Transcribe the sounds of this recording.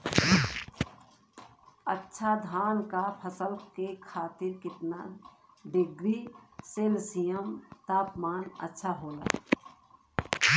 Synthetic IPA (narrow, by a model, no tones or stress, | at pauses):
ətːʃʰad̪ʱaːnkapʰəsəlkekʰaːt̪ɪɾkɪt̪na | ɖɪɡɾiseːlsijəmt̪aːpmaːnə̰tːʃʰaɦoːla̰